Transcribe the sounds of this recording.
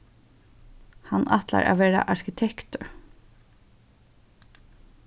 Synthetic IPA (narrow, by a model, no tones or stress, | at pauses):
hanɑt̪la̰ɾʔa̰ʋeːɾaʔaɹkɪt̪ʰɛkt̪ʊɹ